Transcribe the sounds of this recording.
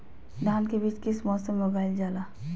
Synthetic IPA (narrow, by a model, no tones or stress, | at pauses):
d̪ʱaːnkebiːt͡ʃkɪsmɔːsəmːeʊɡaːɪld͡ʒaːlaː